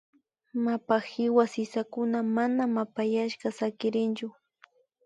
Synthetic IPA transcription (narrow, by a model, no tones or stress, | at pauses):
mapaxɪwasɪsakʊnamanamapajaʃkasakɪɾɪnt͡ʃʊ